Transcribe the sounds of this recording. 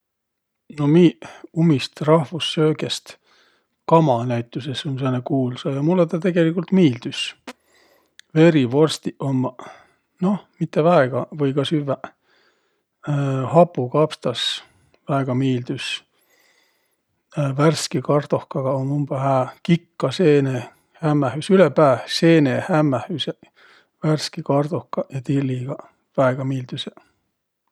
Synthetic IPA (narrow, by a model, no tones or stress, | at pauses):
no̞miːumist̪rɑhvusːøːɡest̪ | kɑmɑnæjt̪ːˑusesonsenːekuːlsɑjɑmulːet̪ɑt̪e̞ɡ̥e̞likːult̪miːld̪̥ys | ve̞ɾivo̞rst̪iʔomːɑ | no̞hmit̪ːevæeɡ̥ɑvɤjkɑsyvæ | hɑpˑːukɑpst̪ɑs | væeɡ̥ɑmiːld̪̥ys | værskikɑrd̪̥ohkɑɡ̥ɑonumb̥ɑhæːkikːɑseːne | hæmːæhysylepæːvseːnehæmːæhyse | værskikɑrd̪ohkːɑjɑt̪ilːiɡ̥ɑ | væeɡ̥ɑmiːld̪̥yse